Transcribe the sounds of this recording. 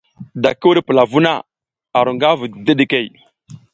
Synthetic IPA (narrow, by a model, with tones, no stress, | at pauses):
da˨kə˦wu˦ɾpə˨la˨vu˦na˦˨ | a˨ɾu˨ŋɡa˦və˨də˦ɗi˨ke˦˨j